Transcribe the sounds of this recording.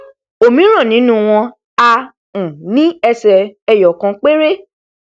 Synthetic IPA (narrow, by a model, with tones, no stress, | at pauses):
o˨mĩ˨˦ɾ̃ɔ̃˦˨nĩ˨˦nũ˦w̃ɔ̃˧ | a˧ | ũ˨nĩ˨˦ɛ˧sɛ˨ɛ˧˨jɔ˨kã˧˦k͡pe˦ɾe˦